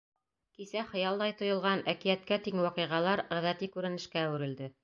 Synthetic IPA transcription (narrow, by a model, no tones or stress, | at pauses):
kisæχɤ̆jɑlˠd̪ɑjt̪ŏjŏlˠʁɑnækijæt̪kæt̪iŋwɑqɤ̆ʁɑlˠɑɾæ̆ðæt̪likʉɾɘ̆nɘ̆ʃkæːwɘ̆ɾɘ̆ld̪ɘ